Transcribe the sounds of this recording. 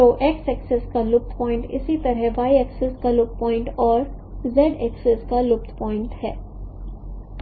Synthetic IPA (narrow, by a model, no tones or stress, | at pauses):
t̪oːʔeksɛkseskalʊp̚t̪ʰpɔ̃ːɪ̃ɳʈɪ̰sit̪ɐɾɦɛʋaːiɛkseskalʊp̚t̪̚pɔ̃ːɪ̃ɳʈɔːɾ | zɛɖekseskalʊp̚t̪ʰpɔːɪ̃ɳʈhɛː